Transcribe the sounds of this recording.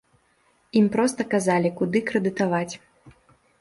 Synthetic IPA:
impɾɔst̪ɐkazalʲikud̪ɨkɾɛd̪ɨt̪avat͡sʲ

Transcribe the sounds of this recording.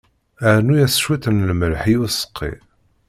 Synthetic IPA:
əɾnujæsʃwit̪ənlməlħiusə̥qʰːḭ

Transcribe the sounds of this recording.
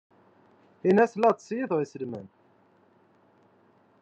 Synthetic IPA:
inæslɑt̪sjiðʁisəlmæ̰n

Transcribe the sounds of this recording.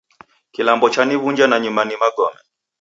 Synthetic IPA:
kilambɔt͡ʃaniβuɲd͡ʒanaɲumanimaɡɔmɛ

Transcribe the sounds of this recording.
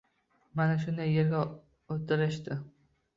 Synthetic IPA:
manaʃ̬ʊnd̪ajːeɾɡʲa | ot̪ʰɪɾɪʃt̪ɪ

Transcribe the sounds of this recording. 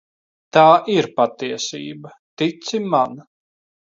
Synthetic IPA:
t̪aːʔiɾpat̪iɛsḭːbɐ | t̪it̪siman

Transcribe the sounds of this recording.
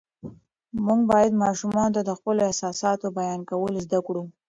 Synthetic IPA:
muŋɡbɑjad̪mɑʃumɑnot̪ad̪əxpəloɪhsɑsɑt̪obajɑnkawəlozd̪akɽu

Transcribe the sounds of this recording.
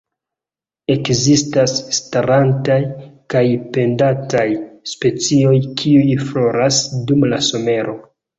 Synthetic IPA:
e̞kzistasːtaɾantajkajpe̞ndatajspe̞t͡sio̞jkʰiujflo̞ɾasdumlaso̞me̞ɾʔo̞

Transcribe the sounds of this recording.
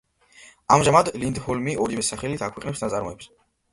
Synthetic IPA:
amʒamad̪lind̪hɔlmiʔɔɾivɛsaχɛlit̪ʰakʰwɛqʼnɛpsnat̪sʼaɾmɔɛps

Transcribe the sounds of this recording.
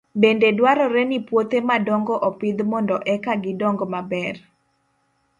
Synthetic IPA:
bendedwaɾɔɾɛnipwot̪emadɔŋɡɔʔɔpɪd̪mɔndɔʔɛkaɡɪdɔŋɡɔmabɛr

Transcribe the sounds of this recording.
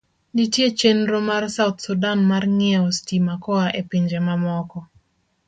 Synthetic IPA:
ditjet͡ʃenɾomarsaut̪sudanmarŋɪɛɔstimakɔaʔepiɲd͡ʒemamɔkɔ

